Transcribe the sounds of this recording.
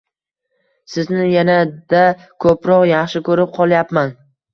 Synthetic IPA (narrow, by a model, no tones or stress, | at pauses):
sɪznɪjanad̪a | kʰɵpɾɒqjɑχʃɪkʰɵɾɪp̚qʰɒlˠjapman